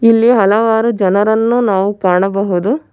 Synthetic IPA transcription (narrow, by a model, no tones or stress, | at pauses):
ilːiɦɐlɐʋaːɾud͡ʒɐnɐɾɐnːunaːʋukaːɳɐbɐɦud̪u